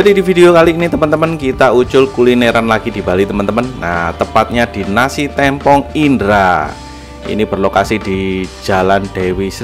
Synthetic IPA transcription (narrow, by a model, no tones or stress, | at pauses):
d͡ʒadidifideokaliːnit̪əmənt̪əmənkit̪aut͡ʃʊlkulineɾanlaɡ̥id̥i̤ba̤lit̪əmənt̪əmənːa̰t̪əpat̪̚ɲad̥i̤nasit̪ɛmpɔŋindɾa | ḭnib̥ərlokasid̥id͡ʒ̥a̤land̥ewis